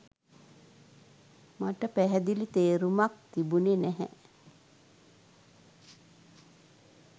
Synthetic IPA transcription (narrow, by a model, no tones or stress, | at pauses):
maʈəpæɦɛd̪ilit̪eːɾumak̚t̪ibunenæɦɛ̰